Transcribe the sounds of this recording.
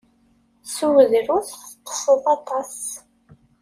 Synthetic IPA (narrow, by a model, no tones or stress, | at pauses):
suwəðɾʊθθqə̥səðˤɑt̪ˤɑs